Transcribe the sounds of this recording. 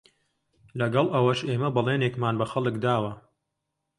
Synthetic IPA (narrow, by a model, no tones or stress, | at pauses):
lɐɡɐlˠʔɐwɐʃeːmɐbɨlˠeːneːkmaːnbɐxɐlˠɨkd̪aːwɐ